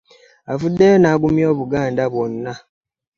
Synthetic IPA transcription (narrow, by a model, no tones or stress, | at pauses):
avudːejonaːɡumjo̞ːβuɡaːndaβwo̞nːa